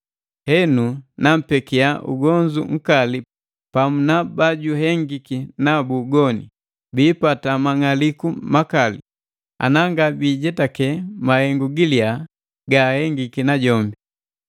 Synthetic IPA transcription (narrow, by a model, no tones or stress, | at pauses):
hɛnunam̩pɛkiaʔṵɡɔɲd͡ʒṵŋ̩kali | pamunabaɟuɦɛŋɡikinabuɡɔnḭ | biːpatamaŋalikumakalḭ | a̰naŋɡabiːɟɛtakɛmahɛŋɡuɡilia | ɡahɛŋɡikinaɟɔmbi